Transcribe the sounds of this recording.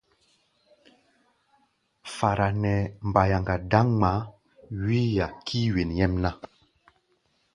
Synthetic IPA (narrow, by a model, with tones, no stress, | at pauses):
fa˨ɾa˨nɛ˨m˨ba˨ja˨ŋɡa˨da˦ŋŋ͡ma˨˦ | wi˦ja˨kʰi˦wi˨njɛ˦mna˦